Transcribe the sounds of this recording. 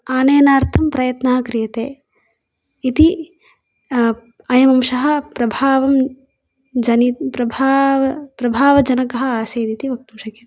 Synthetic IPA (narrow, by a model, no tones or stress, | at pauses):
aːneːnaːɾt̪ʰɐmpɾɐjɐt̪naːɦɐkɾijɐt̪ḛː | it̪i | ɐjɐmɐmʃɐɦɐ̆pɾɐbʱaːʋɐm | d͡ʒɐnipɾɐbʱaːʋɐpɾɐbʱaːʋɐd͡ʒɐnɐkɐɦɐ̆aːseːd̪it̪iʋɐk̚t̪umʃɐkjɐt̪